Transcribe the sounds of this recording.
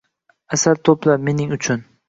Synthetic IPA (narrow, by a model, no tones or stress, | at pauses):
asaɾt̪ʰopʰlaɾme̞nɪŋʊt͡ʃʰʊn